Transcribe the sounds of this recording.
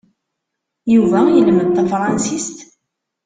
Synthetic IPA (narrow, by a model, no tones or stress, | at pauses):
juvæjəlməd̪̚t̪əfɾˤɑnsist̪